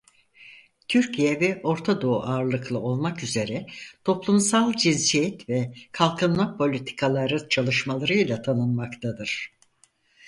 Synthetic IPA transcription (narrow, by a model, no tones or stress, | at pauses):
t̪ʰyɾcʰijɛvɛʔo̞ɾt̪ʰad̪o̞uʔaːɾlˠɯklˠɯo̞lˠmakyze̞ɾɛt̪ʰo̞plˠumsalˠd͡ʒinsijɛt̪vɛkʰalˠkʰɯnmˠapʰo̞lʲit̪ʰi̥kʰalˠaɾɯt͡ʃʰalˠɯʃmalˠaɾɯjlˠat̪ʰanɯnmakt̪ʰad̪ɯɾ̥